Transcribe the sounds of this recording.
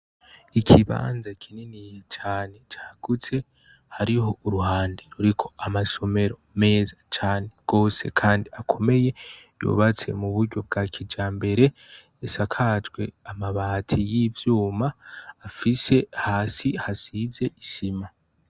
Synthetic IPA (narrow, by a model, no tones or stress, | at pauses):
ikʰiβa̰ːnzakʰininijet͡ʃaːne̞t͡ʃḁːɡ̥ut͡se̞ | haɾiɦo̞uɾuhaːndiɾuɾikʰo̞amaso̞me̞ɾo̞me̞ːzat͡ʃaːne̞ɡ̥o̞ːse̞kʰaːndiakʰo̞me̞je̞ | jṵβat͡se̞̰muβuɾɟo̞b̚ɡaːkʰid͡ʒaːmbe̞ɾe̞ː | sakʰaːd͡ʒɡwe̞amaβaːtʰijivjuːmaːfise̞haːsihasize̞isima